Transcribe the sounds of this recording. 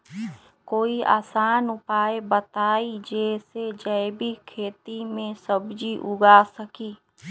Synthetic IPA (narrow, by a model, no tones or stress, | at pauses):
koːiʔa̰ːsaːnʊpaːjebət̪aːid͡ʒeːsed͡ʒəɪbʱikʰeːt̪imẽsəbd͡ʒiʔʊɡaːsəkiː